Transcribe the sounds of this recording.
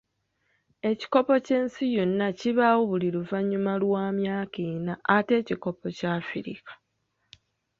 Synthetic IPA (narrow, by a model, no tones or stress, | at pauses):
e̞ci̥ko̞po̞ce̞ːnsijonːaciβawoβuliɾuvaɲːumalwaːmjaːkiːnaːte̞ːciko̞po̞caːfiɾḭkḁ